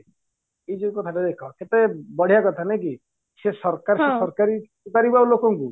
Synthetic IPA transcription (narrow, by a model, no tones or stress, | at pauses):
ejd͡ʒoikɔt̪ʰaʈed̪ekʰaket̪ebɔɽ̤ijakɔt̪ʰanak̬i | sesɔɾkaɾsesɔɾkaɾi | ut̪aɾibaolokɔŋku